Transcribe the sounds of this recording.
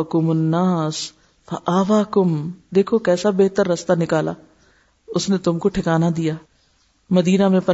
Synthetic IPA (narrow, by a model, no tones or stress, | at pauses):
kʊmʊnːaːs | fɐʔaːʋaːkʊmd̪eːkʰokɛːsabeːɦt̪əɾːɐst̪anɪkaːla̰ː | ʊsnet̪ʊmkoʈʰɪkaːnad̪ijaː | mɐd̪iːnamẽpɐ